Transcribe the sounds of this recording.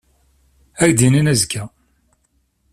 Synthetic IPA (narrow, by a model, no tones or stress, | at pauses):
æɾd̪ininæzkːæ